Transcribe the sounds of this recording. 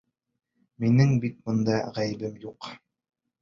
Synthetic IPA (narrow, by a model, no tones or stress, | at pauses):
minɘŋbit̪̚bŏnd̪ɑʁæjɘ̆bɘmjuq